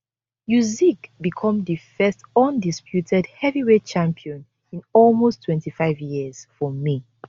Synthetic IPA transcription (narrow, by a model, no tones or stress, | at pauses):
muzikbikʰɔ̃mdifɛstɔ̃ndispʰjutʰɛdhɛviwet͡ʃãmpʰiɔ̃n | ĩnɔlmostʰwɛ̃ntifaɪvjiz̥fɔmi